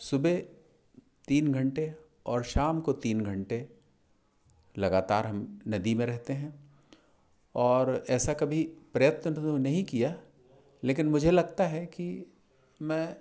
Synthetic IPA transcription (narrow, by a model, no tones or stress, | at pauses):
sʊbe | t̪iːnɡʱɐ̃ɳʈe | ɔːɾʃaːmkot̪iːnɡʱɐ̃ɳʈe | lɐɡaːt̪aːɾɦɐmnɐd̪imẽɾɛɦt̪eɦɛ̃ː | ɔːɾɛːsakɐbʱipɾɐjət̪nənɐɦĩkija | leːk̬ɪnmʊd͡ʒʱelɐɡt̪aɦɛki | mɛ̃ː